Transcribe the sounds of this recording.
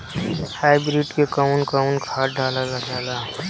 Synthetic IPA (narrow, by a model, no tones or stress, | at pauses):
haːɪbɾiʈkekəʊnkəʊnkʰaːɾɖʱaːlalad͡ʒaːla